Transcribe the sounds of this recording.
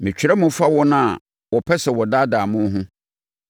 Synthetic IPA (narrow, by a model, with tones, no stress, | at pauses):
mɪ̃˨t͡ɕᶣi˨ɾɛ˦mʊ̃˦fa˦wɔ˦nã˦a˨ | wɔ˨pʰɛ˦sɛ˨wɔ˨da˦daː˨mʊ̃˦ɦʊ̃˦